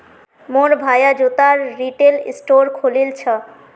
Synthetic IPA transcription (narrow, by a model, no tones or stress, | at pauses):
moɾbʱajad͡ʑot̪aɾːiʈelḭsʈoɾkʰolilt͡ɕʰɔ